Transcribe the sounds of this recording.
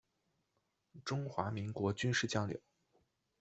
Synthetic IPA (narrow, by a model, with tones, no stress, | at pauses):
ʈ͡ʂʊ˥ŋxwa˧˥mi˧˥ŋkwɔ˧˥t͡ɕy˥nʂɻ̩˥˩t͡ɕjɑ˥ŋljo̰˨˩˦ʊ